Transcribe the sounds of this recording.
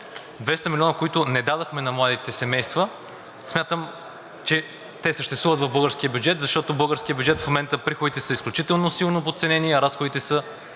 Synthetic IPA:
d̪vɛst̪əmilʲɔnəkoit̪ʊnɛd̪ad̪ɐxmɛnɐmlˠad̪it̪ɛsɛmɛjst̪və | smʲjat̪əm | t͡ʃɛ | t̪ɛsəʃt̪ɛst̪vuvət̪vɐvbɤlˠɡəɾskʲijəbʲjud͡ʒɛt̪zɐʃt̪ɔt̪obɤlˠɡəɾskʲijəbjud͡ʒɛt̪fmomɛnt̪əpɾixʊd̪it̪ɛsəisklʲut͡ʃit̪ɛlˠnosilˠnopot̪sɛnɛniɐɾasxod̪it̪ɛsə

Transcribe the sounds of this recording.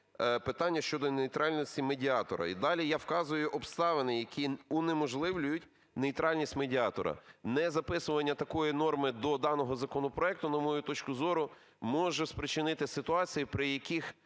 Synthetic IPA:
pɪt̪ɑnʲːɐʃt͡ʃɔd̪ɔnejt̪ɾɑlʲnʲɔsʲtʲimedʲiɑt̪ɔ̰ɾɐ̰id̪ɑlʲijɑwkɑzʊjʊʔɔbst̪ɑʋenɪjɐkʲiʊnemɔʒlˠɪʋlʲʊjʊtʲ | nejt̪ɾɑlʲnʲisʲtʲmedʲiɑt̪ɔ̰ɾɐ̰nɛzɐpɪsʊʋɐnʲːɐt̪ɐkɔjinɔrmɪd̪ɔd̪ɑnɔɦɔzɐkɔnɔpɾɔɛk̚t̪ʊnɐmɔjut̪ɔt͡ʃkʊzɔɾʊ | mɔʒɛspɾɪt͡ʃɪnɪt̪ɪsɪt̪ʊɑt͡sʲijipɾɪjɐkʲix

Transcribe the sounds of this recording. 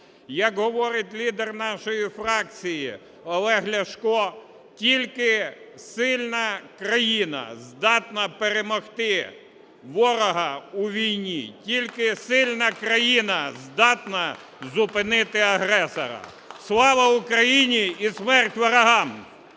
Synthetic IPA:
jɐkɦɔʋɔɾɪtʲlʲid̪ernɑʃɔjifrɑk̚t͡sʲiji | ɔlˠɛɦlʲɐʃkɔ | tʲilʲkɪsɪlʲnɐkɾɐjinɐ̰zd̪ɑt̪nɐpeɾemɔxt̪ɪ | ʋɔɾɔɦɐuʋʲijnʲḭtʲilʲkɪsɪlʲnɐkɾɐjinɐzd̪ɑt̪nɐ | zʊpɪnɪt̪ɪɐɦɾɛsɔ̰ɾɐ̰ | slˠɑʋɐʊkɾɐjinʲiismɛrtʲʋɐɾɐɦɑm

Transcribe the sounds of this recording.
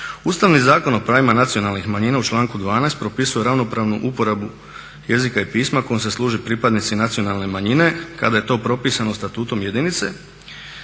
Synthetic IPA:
ust̪aʋnizaːko̞no̞pɾaːʋimanat̪sio̞nalnixmaɲinaut͡ʃlˠaːŋkud̪ʋaːnajst̪̚pɾo̞pisuje̞ɾaʋno̞pɾaːʋnuʔupo̞ɾabu | je̞zikaipiːsmako̞jomse̞slˠuːʒipɾipad̪nit̪sinat̪sijo̞nalˠne̞maɲine̞kad̪aje̞t̪o̞ːpɾo̞piːsano̞st̪at̪uːt̪o̞mje̞d̪init̪se̞

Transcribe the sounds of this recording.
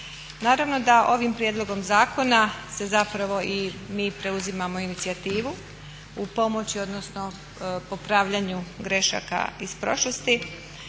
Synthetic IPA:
naːɾaʋno̞d̪aʔo̞ʋimpɾjed̪lˠo̞ɡo̞mzaːko̞nase̞zapɾaʋo̞ʔimiːpɾe̞uzimamo̞init̪siat̪iːʋu | upo̞mo̞t͡ɕio̞d̪no̞sno̞ | po̞pɾaːʋʎaːɲuɡɾe̞ʃa̰ːka̰ispɾo̞̰ʃlost̪i

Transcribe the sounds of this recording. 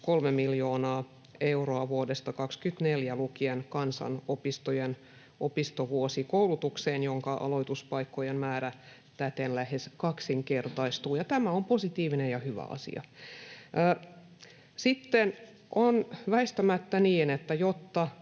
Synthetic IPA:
kolmemiljoːnɑː | euroɑʋuodest̪ɑkɑkskyt̪neljælukienkɑnsɑ̰nopist̪ojen | ʔopist̪oʋuosikoulut̪ukseːnjoŋkɑʔɑ̰loit̪uspɑikːojenmæːɾæ | t̪æt̪enlæheskɑksiŋkert̪ɑist̪uːjɑt̪æmæomposit̪iːʋinejɑhyʋæ̰ɑ̰sḭɑ̰ʔəː | sit̪ːen | ʔonʋæist̪æmæt̪ːæniːnet̪ːæjot̪ːɑ

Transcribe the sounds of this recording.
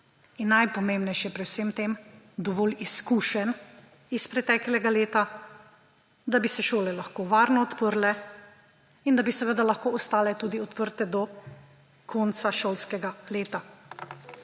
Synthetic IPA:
inːajpɔmẽːmbnɛjʃjɛpɾɛwsemt̪eːmd̪ɔʋɔːliskuːʃɛn | ispɾɛt̪ɛːklʲɛɡaleːt̪a | d̪abisɛʃoːlɛlaxkoːʋaːɾnɔɔt̪pəɾlɛ | ind̪abisɛʋed̪alaxkoːɔst̪aːlɛt̪uːd̪iɔt̪pəɾt̪ɛd̪ɔ | kʰɔnt̪saʃoːlskɛɡaleːt̪a

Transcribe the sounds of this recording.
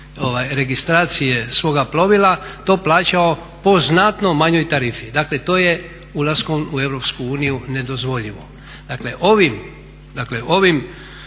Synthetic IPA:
oʋajɾe̞ɡist̪ɾaːt̪sijesʋo̞ːɡaplˠo̞ʋilat̪o̞ːplaːt͡ɕao | po̞znat̪no̞maɲo̞jt̪aɾifid̪akle̞t̪o̞ːje̞ | ulˠasko̞mue̞ʋɾo̞pskuuːnijune̞d̪o̞zʋo̞ʎiʋo̞ | d̪̥akle̞ʔo̞ʋim | d̪akle̞ʔo̞ʋim

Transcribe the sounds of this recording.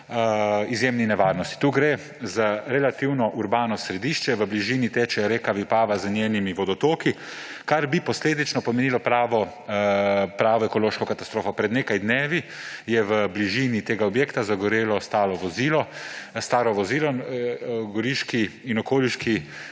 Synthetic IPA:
izjemninɛʋaːɾnɔst̪i̥t̪uːɡɾe | zaɾɛlat̪iwnɔʔuɾbaːnɔsɾɛd̪iʃt͡ʃɛʋəbliʒiːnit̪eːt͡ʃɛɾeːkaʋipaːʋazənʲjeːnimiʋɔd̪ɔt̪oːki | kaɾbipɔsleːd̪it͡ʃnɔpɔmɛniːlɔpɾaːʋɔ | pɾaːʋɔɛkɔloːʃkɔkat̪ast̪ɾoːfɔpɾɛd̪neːkajd̪neːʋijɛʋəbliʒiːnit̪eːɡaɔbjeːkt̪azaɡɔɾeːlɔst̪aːlɔʋɔziːlɔst̪aːɾɔʋɔziːlɔ | ɡɔɾiʃkiinɔkoːliʃki

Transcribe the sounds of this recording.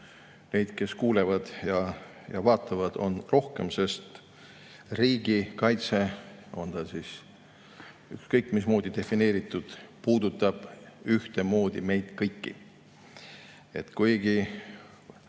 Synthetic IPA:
ne̞jd̪̥ke̞skuːlevɑd̪̥jɑ | jɑvɑːt̪ːˑɑvɑd̪̥o̞̰nro̞hke̞mse̞st̪ | riːɡikɑjt̪se̞o̞nd̪ɑsis | ykskɤjkːˑmismo̞ːd̪̥id̪e̞fine̞ːɾit̪ːˑud̪̥puːd̪ut̪ːˑɑb̥yht̪e̞mo̞ːd̪̥ime̞jd̪̥kɤjkːḭ | e̞t̪kujɡ̥i

